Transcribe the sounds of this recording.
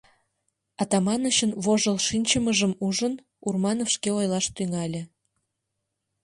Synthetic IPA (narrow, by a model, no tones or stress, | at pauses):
ɑt̪ɑmɑnəɕənβoʒəlʃinʲt͡ɕəməʒəmuʒən | urmɑnofʃkeojlɑʃt̪yŋɑlʲĕ